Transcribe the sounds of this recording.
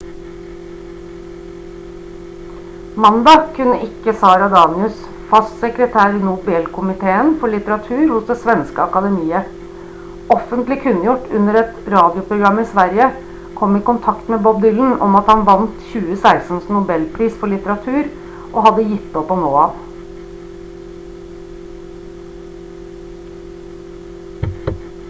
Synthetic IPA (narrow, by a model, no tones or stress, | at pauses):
mɑnd̪ɑkʰʉnːəʔɪkːəsɑːɾɑd̪ɑːnɪʉs | fɑssəkɾət̪ʰæːɾnʊbɛlkʰʊmɪt̪ʰeːənfɔɭɪt̪əɾɑt̪ʰʉːɾhʊsd̪ɛsʋɛnskəɑkɑd̪ɛmiːə | ɔfənt̪lɪkʰʉnjʊʈːʉnəɾɛt̪ɾɑːd̪ɪʊpɾʊɡɾɑmːɪsʋæɾjə | kʰɔmɪkʊnt̪ʰɑkt̪mɛbɔbd̪ʏln̩ɔ̰mɑt̪hɑnʋɑnt̪çʉːəsæɪsn̩snʊbɛlpʰɾiːsfɔɭɪt̪əɾɑt̪ʰʉːɾ | ʔɔɦɑd̪ːəjɪt̪ːd̪opːɔnoːɑʋ